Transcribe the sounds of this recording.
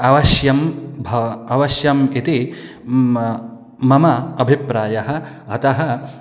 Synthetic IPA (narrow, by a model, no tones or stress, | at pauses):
ɐʋɐʃjɐmbʱɐɐʋɐʃjɐmit̪i | mɐmɐɐbʱipɾaːjɐɦɐ | ɐt̪ɐɦɐ